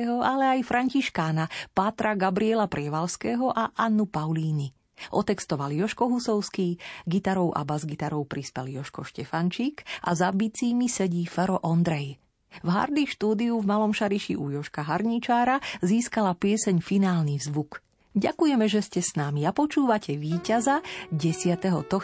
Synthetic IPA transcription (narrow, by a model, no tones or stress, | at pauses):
ɦɔalɛajfɾaɲciʃkaːnapat̪ɾaɡabɾiɛlapɾɪɛʋalskɛːɦɔʔaʔanːupaʊliːni | ʔɔt̪ɛkst̪ɔʋaljɔʃkɔɦusɔʊskiːɡit̪aɾɔʊʔa̰bazɡit̪aɾɔʊpɾispɛljɔʃkɔʃcɛfant͡ʃiːkʔa̰zabit͡siːmisɛɟiːfɛɾɔʔɔnd̪ɾɛj | vɦa̰ɾd̪iʃt̪uːd̪iuvmalɔmʃaɾiʃḭʔujɔʃkaɦaɾɲit͡ʃaːɾaziːskalapɪɛsɛɲfinaːlnivzʋuk | ɟakujɛmɛʒɛscɛsnamiapɔt͡ʃuːʋacʰɛʋiːcazaɟɛsɪat̪ɛɦɔt̪ɔx